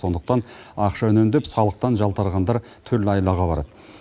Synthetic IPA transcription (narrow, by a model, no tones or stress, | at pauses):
so̞nd̪ə̥qt̪ɑnɑqʃɑʏnemd̪epsɑlˠəq̚t̪ɑnʒɑlˠt̪ɑɾʁɑnd̪ɑɾ | t̪ʰʏɾlɪɑjlˠɑʁɑbɑɾɑ̰d̪ə